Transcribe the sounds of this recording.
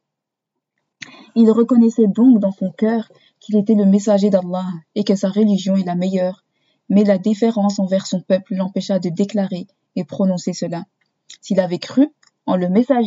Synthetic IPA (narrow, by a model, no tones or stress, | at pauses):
ilʁəkɔnɛsɛd̪ɔ̃kd̪ɑ̃sɔ̃kœːʁ | kʲʰilet̪ɛləmesaʒed̪alˠːɑekəsaʁəliʒjɔ̃ɛlamɛjœːʁ | mɛlad̪ifeʁɑ̃sɑ̃vɛʁsɔ̃pœpllɑ̃pɛʃad̪əd̪eklaʁe | epχɔnɔ̃sesəla | silavɛkχy | ɑ̃ləmesaʒ